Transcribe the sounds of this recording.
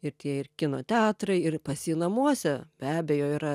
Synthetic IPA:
ɪrt̪ʲiɛɪrkʲɪnoːt̪ʲæːt̪ɾɐɪɪrpɐsʲiːnɐmuɔsʲɛbʲæːbʲejoːiːɾɐ

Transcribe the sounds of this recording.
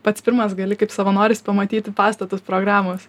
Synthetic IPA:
pɐt̪spʲɪɾmɐsɡɐlʲɪkɐɪpsɐʋɐnoːɾʲɪspɐmɐt̪ʲiːt̪ʲɪpɑːst̪ɐt̪ʊspɾoːɡɾɑːmoːs

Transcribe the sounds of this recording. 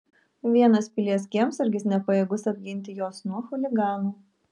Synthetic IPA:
ʋʲiɛnɐspʲɪlʲiɛsʲkʲiɛmsɪɾʲɡʲɪsnʲɛpɐjeːɡʊsɐbʲɡʲɪnʲt̪ʲɪjoːsnuɔxʊlʲɪɡɑːnuː

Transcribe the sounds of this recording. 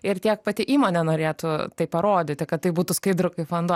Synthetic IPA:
ɪrt̪ʲiɛk̚pɐt̪ʲɪʔiːmoːnʲɛnoːɾʲeːt̪ʊt̪ɐɪppɐɾoːd̪ʲɪt̪ʲɪkɐt̪t̪ːɐɪbuːt̪ʊskɐɪd̪ɾʊkɐɪfond̪o

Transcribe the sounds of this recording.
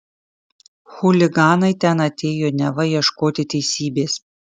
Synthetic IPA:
xʊlʲɪɡɑːnɐɪt̪ʲɛnɐt̪ʲeːjoːnʲɛʋɐjiɛʃkoːt̪ʲɪt̪ʲɛɪsʲiːbʲeːs

